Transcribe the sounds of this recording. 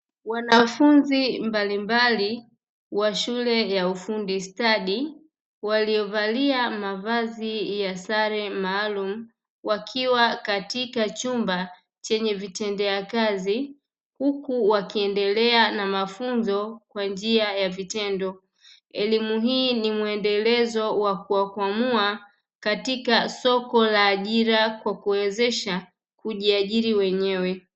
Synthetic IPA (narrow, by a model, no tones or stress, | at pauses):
wanafunzimbalimbali | waʃulɛjaufundistaɗi | walijɔvaliamavazijasaɾɛmaːlum̩ | wakʰiwakatikat͡ʃumba | t͡ʃɛɲɛvitɛndɛakazi | hukuwakiɛndɛlɛanamafunzɔkwand͡ʒiajavitɛndɔ | ɛlimuɦiːnimuɛndɛlɛzɔwakuwakwamua | katikasɔkɔlaːʄiɾakwakuwɛzɛʃa | kuʄiaʄiɾiwɛɲɛwɛ